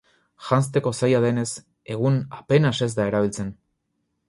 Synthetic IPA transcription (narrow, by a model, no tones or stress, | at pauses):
ʝans̬t̪e̞ko̞sajað̞e̞ne̞s | e̞ɣ̞unape̞nase̞zd̪ae̞ɾaβ̞ilt͡se̞n